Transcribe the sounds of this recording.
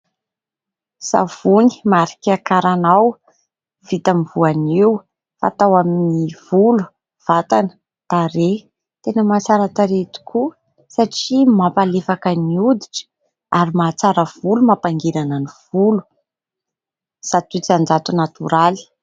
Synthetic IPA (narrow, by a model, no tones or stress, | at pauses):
sa̰vuni̥maɾi̥kʲakaɾanaw | v̥it̪amivuaniw | fa̰t̪awaminivulu̥ | v̥at̪anə̥ | t̪aɾe | t̪enəmat͡saɾat̪aɾet̪i̥kʰu | saʈ͡ʂimapalefakəniud̪iʈ͡ʂə̥ | aɾimat͡saɾəv̥ulumapaŋɡeɾanəniv̥ulu̥ | sat̪ut͡sand͡ʒat̪unat̪uɾali̥